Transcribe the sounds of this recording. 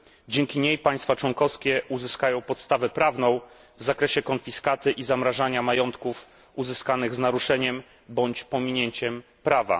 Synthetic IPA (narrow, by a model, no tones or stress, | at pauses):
d͡ʑɛŋkʲiɲejpaj̃st̪fat͡ʂwɔŋkɔskʲɛʔuzɘskajɔ̃w̃pɔt̪st̪avɛpɾavn̪ɔ̃w̃ | vzakɾɛɕɛkɔnfʲiskat̪ɘʔizamɾaʐaɲamajɔnt̪kuf | uzɘskanɘɣznaɾuʂɛɲɛm | bɔɲt͡ɕpɔmʲiɲeɲt͡ɕɛm | pɾava̰